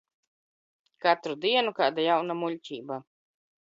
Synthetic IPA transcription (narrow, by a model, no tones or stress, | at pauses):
kat̪ɾud̪iɛnukaːd̪ajawnamulʲcʲiːba